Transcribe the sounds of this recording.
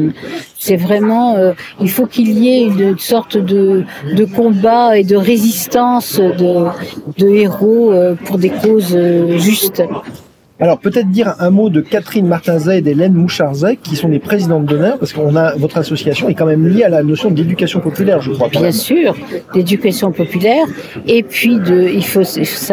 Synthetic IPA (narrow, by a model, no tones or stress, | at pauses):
sɛvʁɛmɑ̃øilfokiljeynsɔʁt̪d̪əd̪əkɔ̃baed̪əʁezist̪ɑ̃sd̪əd̪əeʁoøpuʁd̪ekozøʒyst̪ | alɔʁpøt̪ɛt̪χəd̪iʁɛ̃mod̪əkat̪χinmaʁt̪ɛ̃zɛd̪elɛnmuʃaʁzakʲːisɔ̃d̪epχezid̪ɑ̃d̪əd̪ɔnœʁpaʁskəɔ̃navɔt̪χasɔsjasjɔ̃ɛkɑ̃mɛmljealanɔsjɔ̃d̪ed̪ykasjɔ̃pɔpylɛʁʒəkχwabjɛ̃syːʁd̪ed̪ykasjɔ̃pɔpylɛʁ | epɥid̪əilfoifo̥sa